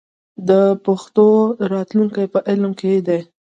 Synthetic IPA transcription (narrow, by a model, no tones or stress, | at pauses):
d̪əpaxt̪oɾɑt̪luŋkajpəʔɪlmkʰed̪e